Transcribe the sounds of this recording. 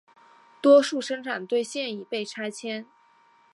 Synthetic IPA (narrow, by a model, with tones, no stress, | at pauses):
t̪wɔ˥ʂu˥˩ʂɤ˥ŋʈ͡ʂʰa˨˩nt̪we˥˧ɪɕjɛ˥˧ni˥˩pe˥˩ɪʈ͡ʂʰa˥ɪt͡ɕʰjɛ˥n